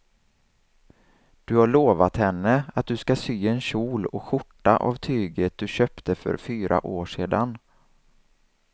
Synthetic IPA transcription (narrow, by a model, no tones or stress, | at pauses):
d̪̥ɵhaɭoːvat̪hɛnːəat̪̚d̪ɵskasyːɛnɕuːlɔkɧʊʈːaʔa̰vt̪ʰyːɡət̪̚d̪ɵɕœːpt̪əfœ̰ɾfyːɾʔa̰ʔoːʂeːd̪an